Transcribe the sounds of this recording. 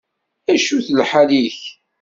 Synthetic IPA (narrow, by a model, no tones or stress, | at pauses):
æʃuθlħaliç